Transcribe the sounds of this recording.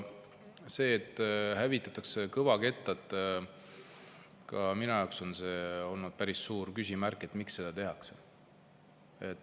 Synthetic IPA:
se̞ːt̪ˑːhævit̪ːˑɑt̪ːˑɑksekɤvɑke̞t̪ːˑɑt̪ːˑ | kɑminujɑkso̞nse̞ːo̞lnud̪̥̚pæɾissuːɾkysʲimærkːˑe̞t̪miksːe̞d̪ɑt̪e̞ɦɑkse | e̞t̪ːˑ

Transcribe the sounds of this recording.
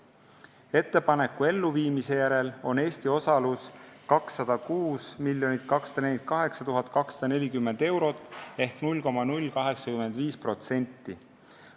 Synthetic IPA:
e̞t̪ːe̞pɑne̞kːˑue̞lːuviːmise̞jæɾe̞lo̞ne̞ːst̪io̞sɑluskɑksːɑd̪̥ɑkuːsmilʲːjo̞nit̪ˑkɑksɑ̥d̪ɑnelʲit̪̚ˑkɑɦe̞ksɑt̪uɦɑt̪ːˑkɑksɑd̪̥ɑnelʲikymːe̞nd̪̥e̞wɾo̞t̪ːˑe̞hknulʲko̞mɑnulʲːkɑɦe̞ksɑkymend̪viːspro̞t̪se̞nʲt̪ːi

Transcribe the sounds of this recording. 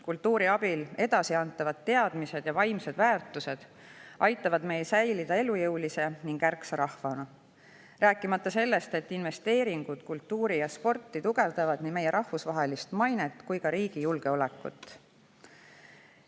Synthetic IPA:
kult̪ːuːɾiɑbile̞d̪̥ɑsiɑnt̪ːˑɑvɑd̪̥̚t̪ːe̞ɑd̪̥mise̞d̪̥jɑvɑjmse̞d̪væːrt̪ːˑuse̞d̪̥ | ɑjt̪ːˑɑvɑd̪̥me̞jsæjlid̪̥ɑe̞lujɤwlise̞niŋɡ̥ærksɑɾɑhvɑnɑ | ræːkˑːimɑt̪ːɑse̞lːe̞st̪e̞t̪ːˑinve̞st̪e̞ːɾiŋɡ̥ud̪̥kult̪ːuːɾijɑspo̞rt̪ːˑit̪uɡ̥e̞vd̪ɑvɑd̪niːme̞jeɾʔɑhvusvɑɦe̞list̪mɑjnet̪ːˑkujkɑɾiːɡ̥ijulɡ̥e̞o̞le̞kːˑṵt̪ːˑ

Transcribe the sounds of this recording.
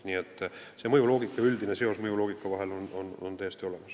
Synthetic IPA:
niːet̪ːˑ | se̞mɤjulo̞ːɡ̥ikːˑɑyld̪ine̞se̞o̞smɤjulo̞ːɡ̥ikːˑɑvɑɦe̞lonono̰nt̪ejest̪io̞le̞mɑs

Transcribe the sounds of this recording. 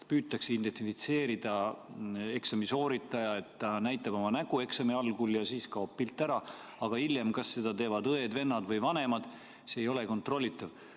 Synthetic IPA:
pyːt̪ːˑɑksint̪ensifit̪se̞ːɾid̪̥ɑ | e̞ksɑmiso̞ːɾit̪ːˑɑjɑe̞t̪ːɑnæjt̪ːˑɑb̥o̞mɑnæɡ̥ue̞ksɑmiɑlɡ̥uljɑsiːskɑopːilt̪ˑːæɾɑ | ɑɡ̥ɑiljemkɑsːe̞d̪̥ɑt̪e̞ːvɑd̪ɤe̞d̪ve̞nːɑd̪vɤjvɑne̞mɑd̪̥ | seːjo̞le̞ko̞nt̪ro̞lʲːit̪ːˑɑv

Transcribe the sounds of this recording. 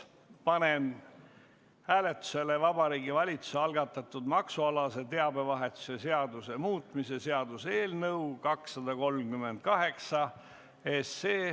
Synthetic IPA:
pɑne̞n | hæːle̞t̪ːˑu̥se̞le̞vɑb̥ɑɾiːɡivɑlʲit̪su̥seɑlɡɑt̪ːˑɑt̪ːˑud̪mɑksuɑlɑse̞t̪e̞ɑbe̞vɑɦe̞t̪ːˑu̥se̞se̞ɑd̪use̞muːt̪ˑmise̞se̞ɑd̪use̞ːlnɤwkɑksːɑd̪̥ɑko̞lmkymːe̞nd̪̥̚kɑɦe̞ksɑ | eseː

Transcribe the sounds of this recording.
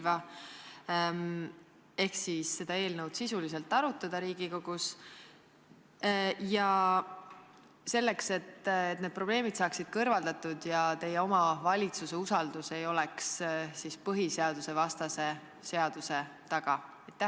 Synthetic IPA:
vɑ | e̞hksisːe̞d̪ɑe̞ːlnəwd̪̥sisulis̬e̞lt̪ːˑɑɾut̪ːˑɑd̪̥ɑɾiːɡ̥iko̞ɡ̥us | jɑ | se̞lːe̞kse̞t̪ːet̪ne̞d̪̥̚pro̞b̥le̞ːmid̪̥sɑːksid̪̥kɤrvɑld̪ɑt̪ːˑud̪̥jɑt̪e̞jeo̞mɑvɑlʲit̪suse̞usɑld̪use̞jo̞lɛkssispɤɦise̞ɑd̪̥use̞vɑst̪ɑse̞ | se̞ɑd̪̥use̞t̪ɑɡ̥ɑɑjt̪ːˑæ

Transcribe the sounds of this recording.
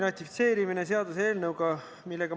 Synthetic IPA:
rɑt̪ʲːifit̪se̞ːɾimines̬e̞ɑd̪use̞ːlnəwɡ̥ɑ | milːe̞ɡ̥ɑ

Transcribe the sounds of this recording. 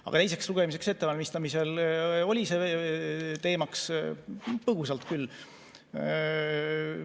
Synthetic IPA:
ʔɑ̰ɡ̥ɑt̪e̞jse̞ksluɡ̥e̞mis̬e̞kse̞t̪ːe̞vɑlʲmist̪ɑmiselo̞lʲise̞ | t̪e̞ːmɑks | pɤɡusɑlt̪kyl

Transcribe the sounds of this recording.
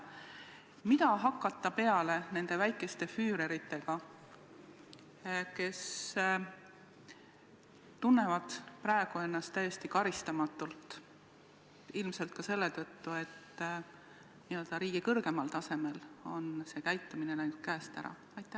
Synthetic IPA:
mid̪ɑɦɑkːˑɑt̪ːˑɑpe̞ɑle̞ne̞nd̪̥e̞væjkːˑe̞st̪e̞fyːɾe̞ɾit̪ːe̞ɡ̥ɑ | ke̞s | t̪unːe̞vɑd̪̥prɑeɡ̥ue̞nːɑst̪ːæje̞st̪ikɑɾist̪ɑmɑt̪ːˑult̪ | ilmse̞lt̪̚kɑse̞lːe̞t̪ɤt̪ːue̞t̪ː | niø̞ld̪̥ɑɾiːɡ̥ikɤrɡ̥e̞mɑlt̪ɑse̞me̞lo̞nse̞ːkæjt̪ːˑumine̞næjnud̪̥̚kæːst̪æ̰ɾɑ̰ | ɑjt̪ːˑæ

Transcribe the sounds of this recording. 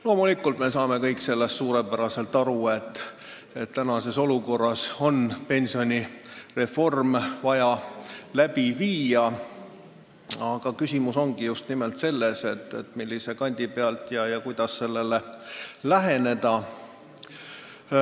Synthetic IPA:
lo̞ːmulikːˑult̪me̞sɑːme̞kɤjkse̞lːest̪suːɾe̞pæɾɑse̞lt̪ɑɾue̞t̪ːˑ | e̞t̪t̪ːænɑse̞so̞luko̞rːɑso̞npe̞nʲsio̞nʲire̞fo̞rmvɑjɑlæbiviːjɑ | ɑɡ̥ɑkysʲimuso̞ŋɡ̥ijust̪nimelt̪se̞lːese̞t̪ːet̪milːise̞kɑnʲd̪̥ʲipeɑlt̪jɑjɑkujd̪̥ɑsːe̞lːe̞lelæɦe̞ne̞d̪̥ɑ

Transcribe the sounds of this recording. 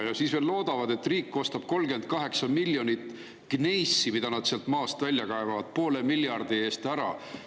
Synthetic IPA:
jɑsiːsve̞ːlːo̞ːd̪ɑvɑd̪e̞t̪ːriːkːo̞st̪ɑb̥̚ko̞lɡe̞nd̪̥̚kɑɦe̞ksɑmilːjonʲit̪ˑ | kne̞jsːimid̪̥ɑnɑd̪̥seɑlt̪mɑːst̪vælʲjɑkɑevɑvɑd̪̥̚po̞ːle̞miljɑrd̪̥ie̞ːst̪æɾɑ

